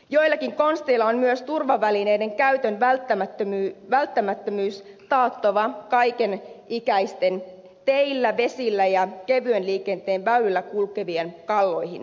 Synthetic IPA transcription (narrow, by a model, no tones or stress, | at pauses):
jo̞ilːˑɑkiŋko̞nst̪eilːɑonmyøst̪urʋɑʋæline̞ide̞ŋkæyt̪ønʋælt̪ːæmæt̪ːømyʋælt̪ːæmæt̪ːømyːst̪ɑːt̪ːoʋɑkɑikenikæist̪en | t̪eilːæʋe̞silːæjɑkeʋyønliːkent̪eːnʋæylylːækulkeʋienkɑlːo̞jhḭn